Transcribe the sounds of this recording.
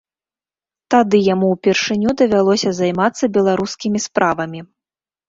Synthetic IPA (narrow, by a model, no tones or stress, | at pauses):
t̪ad̪ɨjamuwpʲɛrʂɨnʲud̪ɐvʲalˠɔsʲɐzajmat̪sːɐbʲɛlˠaɾuskʲimʲispɾʔavɐmʲi